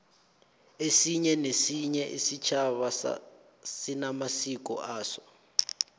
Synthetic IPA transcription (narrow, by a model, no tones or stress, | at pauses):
esiɲɛnesiɲɛʔisit͡ʃʰaβaa̰ | sinamasikɔ̰ʔaːsɔ̥